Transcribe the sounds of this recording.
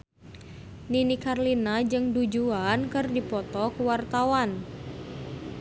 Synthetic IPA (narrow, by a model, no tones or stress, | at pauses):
ninikarlinad͡ʒɨŋdud͡ʒuankɨrdipɔt̪ɔkuwart̪awan